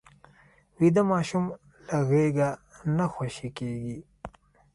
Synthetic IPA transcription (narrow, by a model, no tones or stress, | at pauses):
wid̪amɑːʃum | laɣeɡanaxoʃikeɡi